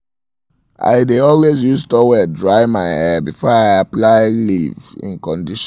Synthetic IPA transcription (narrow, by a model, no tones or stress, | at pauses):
ʔa̰ɪdeɔlwezjuztɔwɛdɹaɪmaɪɛbifɔaɪaplaɪlḭvḭ̃nkɔ̃ndiʃ